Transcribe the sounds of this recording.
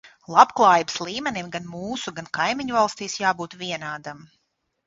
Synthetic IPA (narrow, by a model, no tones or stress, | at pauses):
lˠabklˠaːjibslˠiːmʲɛnimɡanmuːsuɡankajmiɲuvalˠst̪iːsjaːbuːt̪vʲiɛnaːd̪am